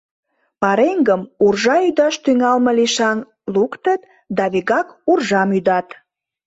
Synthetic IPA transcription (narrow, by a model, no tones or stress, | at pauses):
pɑɾeŋɡəmurʒɑyd̪ɑʃt̪yŋɑlmə̆liʃɑn | lukt̪ət̪ | d̪ɑβeɣɑkurʒɑmyd̪ɑt̪